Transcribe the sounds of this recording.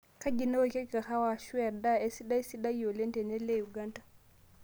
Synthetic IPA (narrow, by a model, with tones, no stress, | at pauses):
ka˦ɟi˨no˦˨kɛ˦ka˨xa˦wa˨ʃu˦a˨da˦ɛ˦si˦ɗa˦jsi˦ɗa˦jjo˨lɛ˦ntɛ˨nɛ˦lɛ˦ju˨ɡa˦ntḁ